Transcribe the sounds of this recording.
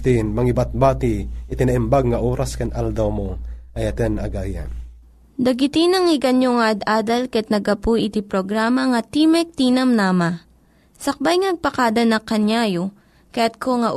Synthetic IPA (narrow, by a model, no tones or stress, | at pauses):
t̪inmɐŋɪbat̪̚baːt̪iɪt̪ɪnaʔɪmbaɡ̚ŋɐʔoːɾaskɐnʔald̪ɐwmoʔɐjɐt̪ɛnɐɡaːjɐ̰n | d̪ɐɡɪt̪inɐŋɪɡɐnjoŋaʔɐd̪ʔaːd̪ɐlkɛt̪̚nɐɡɐpujʔɪt̪ipɾoɡɾaːmɐŋɐt̪imɛk̚t̪inɐmnaːma | sɐk̚bajŋnɐɡ̚pɐkaːd̪ɐnɐkɐnjajo | kɐjat̪̚kʰoŋɐʔ